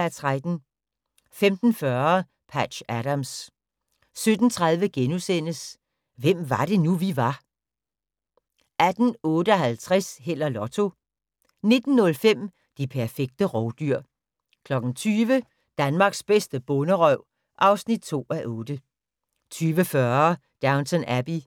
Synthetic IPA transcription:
æt͡sʰʁad̥n̩ | femd̥n̩fɶɐ | pʰæd̥ɕæɾams | sød̥n̩t͡sʰʁað̞ˠʋəɡ̥enusen̰əs | ʋem̰ʋɑ̈d̥e̝nuʋiʋɑ̈ | æd̥n̩ɔ̽ːɾəɒ̽ɦælt͡sʰʁɛshel̰ɐlɒ̽t͡sʰo̝ | ne̝d̥n̩ːɔ̽lfem̰ | d̥ipʰæɐfeɡ̥̚d̥əʁɒʊd̥yɐ̰ | kʰlɒ̽ɡ̥n̩t͡sʰyːʋə | d̥ænmɑ̈ːɡ̥sb̥esd̥əb̥ɔ̽nəʁœʊ̰ | ʔɑ̈ʊsnid̥̚t͡sʰo̝̰ːæʔɔ̽ːd̥ə | t͡sʰyːʋəfɶɐ | d̥ɑ̈ʊnt͡sʰɔnæb̥i

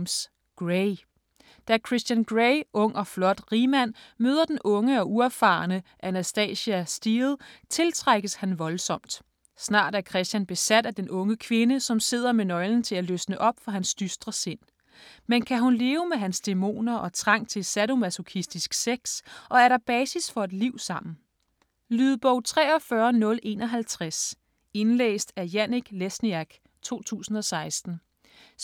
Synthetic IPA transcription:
s | ɡ̥ʁe | d̥ækʰʁisd̥jænɡ̥ʁeɪʔɔ̽ŋ̰ɒ̽flɒ̽d̥ʁimæn̰møːð̞ˠɐd̥enʔɔ̽ŋəɒ̽ʔuæfɑ̈nəʔænæsd̥ɛ̰ːɕiæsd̥iːð̩ˠt͡sʰe̝lt͡sʰʁaɡ̥əshænʋɒ̽lsɒ̽m̰d̥ | snɑ̰̈ːd̥æɐkʰʁɛsd̥jænb̥e̝sæd̥æd̥enʔɔ̽ŋəkʰʋe̝nəsɒ̽mse̝ð̞̰ˠɐmenɒ̽ɪln̩t͡sʰe̝læløsnəʔɒ̽b̥fɒ̽ɦænsd̥ysd̥ʁɐse̝n̰ | menkʰæɦunle̝ːʊəmeɦænsd̥e̝mo̝̰ːnɐʔɒ̽t͡sʰʁɑ̈ŋ̰t͡sʰe̝lsæɾo̝mæsokʰisd̥isɡ̥seɡ̥sʔɒ̽æɐɾɑ̈b̥ɛːsisfɒ̽e̝d̥liʊ̰sɑ̈m̰n̩ | lyːðˠb̥ɒʊ̰t͡sʰʁɛ̰ːɒ̽fɶːɐnɔ̽lʔe̝̰ːnɒ̽ɦælt͡sʰʁas | e̝nlḛːsd̥æɐjæniɡ̥lesniæɡ̥ | t͡sʰo̝̰ːt͡sʰṵːsn̩ɒ̽sɑ̈ɪsd̥n̩

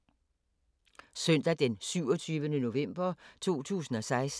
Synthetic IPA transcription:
sœn̰d̥æd̥ensyʊ̰ɒt͡sʰyːʋənəno̝ʋem̰b̥ɐt͡sʰo̝̰ːt͡sʰṵːsn̩ɒ̽sɑ̈ɪs

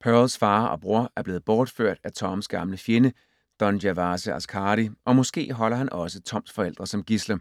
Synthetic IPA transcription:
pʰɶlsfɑ̈ːɒ̽b̥ʁuɐ̰ʔæɐb̥le̝ːð̩ˠb̥ɒːd̥føɐ̰d̥æt͡sʰɒ̽msɡ̥ɑ̈mləfjenə | d̥ɒ̽njæʋɑːsəæskʰɑːɾiʔɒ̽mɒ̽sɡ̥e̝̰ːɦɒ̽l̰ɐhænʔɒ̽sət͡sʰɒ̽m̰sfɒ̽el̰d̥ʁɐsɒ̽mɡ̥islɐ

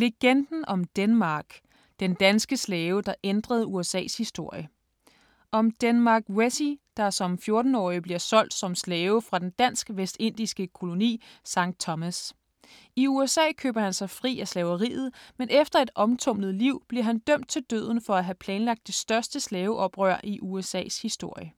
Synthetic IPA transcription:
le̝ɡ̥end̥n̩ɒ̽md̥enmɑ̈ːɡ̥ | d̥end̥ænsɡ̥əslɛːʊd̥ɑ̈ʔend̥ʁɐð̞̩ˠuesɛ̰ːshisd̥o̝ɐ̰jə | ʔɒ̽md̥enmɑ̈ːɡ̥wesid̥ɑ̈sɒ̽mfjo̝ɐd̥n̩ɒ̰ːib̥liɐsɒ̽l̰d̥sɒ̽mslɛːʊəfʁɑ̈d̥end̥æn̰sɡ̥ʋesd̥e̝n̰d̥isɡ̥əkʰo̝lo̝nḭːsɑ̈ŋ̰d̥̚t͡sʰɒmæs | iuesɛ̰ːkʰø̰ːb̥ɐhænsɑ̈ɪfʁḭːæslɛʊɐʁḭːð̞̩ˠmenʔefd̥ɐe̝d̥ɒ̽mt͡sʰɔ̽m̰nð̞̩ˠliʊ̰b̥liɐɦænd̥øm̰d̥̚t͡sʰe̝ld̥ø̰ð̞̰ˠn̩fɒ̽æɦæpʰlɛːnlɑ̈ɡ̥̚d̥e̝sd̥ɶɐsd̥əslɛːʊʔɒ̽b̥ʁœɐ̰ʔiʔuesɛ̰ːshisd̥o̝ɐ̰jə

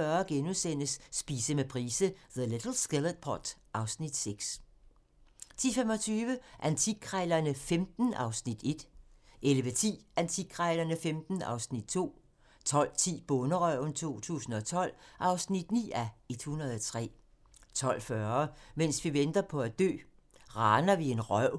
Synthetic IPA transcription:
ɶɐɡ̥enusen̰əsːb̥iːsəmepʰʁiːsəðəled̥l̩sɡ̥eləd̥̚pʰɒd̥ʔɑ̈ʊsnid̥seɡ̥s | t͡sʰḭfemɒ̽t͡sʰyːʋəʔænt͡sʰiɡ̥ʰʁɑɪlɐnəfemd̥n̩ɑ̈ʊsnid̥e̝d̥ʔeləʋet͡sʰḭːænt͡sʰiɡ̥ʰʁɑɪlɐnəfemd̥n̩ɑ̰̈ʊsnid̥̚t͡sʰo̝̰ː | t͡sʰɒ̽l̰t͡sʰḭːb̥ɔ̽nəʁœ̰nt͡sʰo̝̰ːt͡sʰṵːsn̩ɒ̽t͡sʰɒ̽l̰ʔɑ̈ʊsnid̥nḭːæe̝d̥hunɐð̩ˠɒt͡sʰʁɛ̰ː | t͡sʰɒ̽l̰fɶɐmensʋiʋend̥ɐpʰɒ̽æd̥ø̰ː | ʁɑːnɐʋie̝nʁœʊ̰

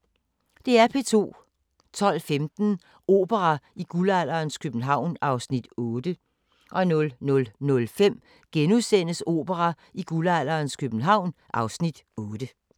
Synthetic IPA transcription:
d̥e̝æɐpʰe̝t͡sʰo̝̰ː | t͡sʰɒ̽l̰femd̥n̩ | o̝̰ːb̥əʁɑiɡ̥ulæl̰ɐːnskʰøb̥n̩ɦɑ̈ʊ̰nʔɑ̈ʊsnid̥ɔːd̥ə | ʔɒ̽nɔ̽lnɔ̽lnɔ̽lfem̰ | ɡ̥enuðˠsen̰əso̝̰ːb̥əʁɑ | iɡ̥ulæl̰ɐːnskʰøb̥n̩ɦɑ̈ʊ̰nʔɑ̈ʊsnid̥ɔːd̥ə

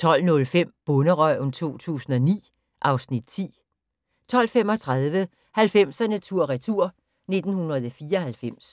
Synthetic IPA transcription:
t͡sʰɒ̽l̰nɔ̽lfem̰b̥ɔnəʁœnt͡sʰo̝̰ːt͡sʰṵːsn̩ɒ̽nḭː | ʔɑ̈ʊsnid̥̚t͡sʰḭː | t͡sʰɒ̽l̰fem̰ɒ̽t͡sʰʁað̞ˠʋə | hælfem̰sænæt͡sʰuɐ̰ʁɛt͡sʰuɐ̰ | ne̝d̥n̩hunɐð̞ˠɒfiːɐɒhælfem̰s

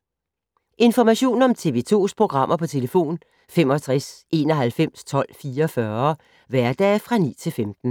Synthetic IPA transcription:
ʔe̝nfɒmæɕo̝̰ːnɒ̽mt͡sʰe̝ʋe̝̰ːt͡sʰo̝̰ːspʰʁo̝ɡ̥ʁɑ̈m̰ʔɐpʰɒ̽t͡sʰe̝ləfo̝̰ːn | femɒ̽t͡sʰʁasʔe̝ːnɒɦælfem̰st͡sʰɒ̽l̰fiːɐfɶːɐ | ʋæɐd̥ɛ̰ːfʁɑ̈nḭːt͡sʰe̝lfemd̥n̩

